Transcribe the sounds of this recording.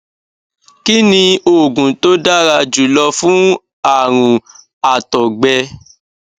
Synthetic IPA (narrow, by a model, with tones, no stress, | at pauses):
ki˦nĩ˧o˨ɡũ˨to˦da˦ɾa˧d͡ʒu˨lɔ˧fũ˦ | a˦˨ɾ̃ũ˨ | a˨tɔ˨ɡ͡bɛ˧